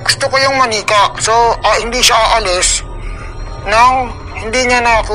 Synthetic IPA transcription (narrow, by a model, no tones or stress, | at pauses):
ɡʊst̪okojʊŋmɐniːkɐʔsoʔɐhɪnd̪iʃaʔaʔɐlɪs | nɐŋ | hɪnd̪iɲanaku